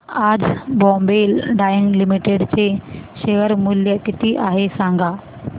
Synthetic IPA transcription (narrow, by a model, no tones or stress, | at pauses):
ad͡zbɔ̃mbelɖajəŋɡlimiʈeɖt͡seɕejəɾmuljəkit̪iːʔaɦesãŋɡʱa